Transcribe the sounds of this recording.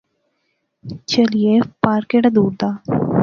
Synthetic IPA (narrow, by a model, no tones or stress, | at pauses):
t͡ʃəliepaːɾkeːʈad̪uːɾd̪aː